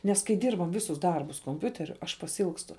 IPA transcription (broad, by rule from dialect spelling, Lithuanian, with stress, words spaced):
nʲɛs kɐɪ ˈdʲiːrbɐm ˈʋʲɪsʊs ˈdɐrbʊs koːmʲˈpʲʊtʲɛrʲʊ ɐʃ pɐsʲɪˈɪlˠkstʊ